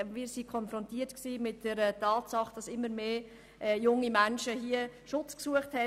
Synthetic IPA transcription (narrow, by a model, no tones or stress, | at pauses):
miːɾsikʰɔnfɾɔntiətksiːmɪt̚d̥əɾətɑːtsɑχd̥ɑsɪmːəɾmeː | ʔɛjʊŋːimænʃəɦiəʃʊt͡sksuəχthɛ